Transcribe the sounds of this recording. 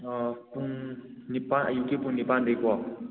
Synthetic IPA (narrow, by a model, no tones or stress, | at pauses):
puŋnipajukepuŋnipand̪ekwɔ